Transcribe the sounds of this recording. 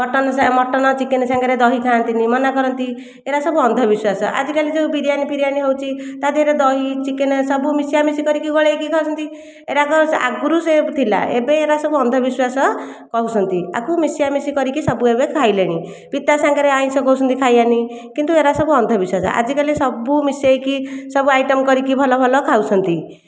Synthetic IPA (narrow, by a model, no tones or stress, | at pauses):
mɔʈɔnsamɔʈːɔnɔt͡ʃikensãŋɡaɾed̪ɔɦikʰaːnt̪inimʌnakɔɾʌnt̪i | eɾasɔbuʌnd̪ʱɔbiswasɔ̰ʔa̰d͡zikalid͡ʒeupiɾijanipiɾijaniɦewt͡ʃʰit̪at̪eeɾed̪ɔɦit͡ʃikensʌbumisijamisikʌɾikiɡɔɭejkikʰawsʰʌnt̪i | ḛɾakɔa̰ɡuɾusebt̪ʰila̰ḛbeːɾasɔbuʌnd̪ʱɔbiswasɔ | kʌɦusʰʌnt̪ia̰kʰumisijamisikʌɾikisʌbuebekʰajleɽ̃i | pit̪asaŋkaɾeaj̃sʰɔkɔwsʰʌnt̪ikʰajani | kint̪ueɾasʌbuʌnd̪ʱɔbiswasɔ̰ʔa̰d͡zikalisʌbumisejkisʌbuajʈʌmkʌɾikibʱɔlɔbʱɔlɔkʰawt͡sʰʌnt̪i